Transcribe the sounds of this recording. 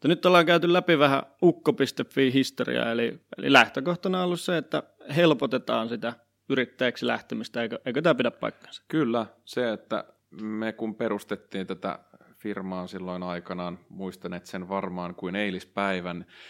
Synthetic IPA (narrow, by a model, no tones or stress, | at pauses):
ŭt̪ːænyt̪ːolːɑːŋkæyt̪ylæpiʋæhæ̰ukːopist̪efːiːhist̪orḭɑ̰eliḛlḭlæht̪økoht̪ɑnɑolːusseet̪ːæ | helpot̪et̪ɑːnsit̪æ | yɾit̪ːæjæksilæ̰ht̪emist̪æeikøʔeikøt̪æpidæppɑ̰ikːɑ̥n̥sɑ̥kylːæseet̪ːæ̰ | mekumpeɾust̪et̪ːiːnt̪æt̪æ̰firmɑːsilːoinɑikɑnɑːnmuist̪ɑneːt̪senʋɑrmɑːŋkuineilispæiʋæn